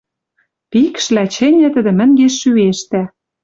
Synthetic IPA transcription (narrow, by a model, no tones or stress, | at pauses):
pikʃlæt͡ɕɘ̆nʲɘ̆t̪ə̆d̪ɘ̆mə̆ŋɡeʃːyeʃt̪æ